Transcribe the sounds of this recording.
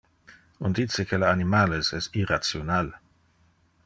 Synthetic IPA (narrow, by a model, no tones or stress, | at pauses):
und̪it̪sekʰelaanimalesɛstirat̪sjonal